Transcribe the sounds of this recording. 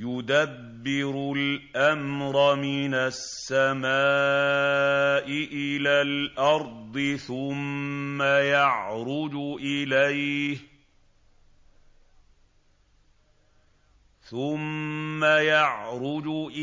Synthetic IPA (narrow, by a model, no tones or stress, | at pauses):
jʊd̪abːɪɾʊlʔamɾɑmɪnasːamaː | ʔɪʔɪlaːlʔɑɾˤd̪ˤɨθʊmːajɑʕɾʊd͡ʒʊʔɪlajh | θʊmːajɑʕɾˤʊd͡ʒʊʔɪ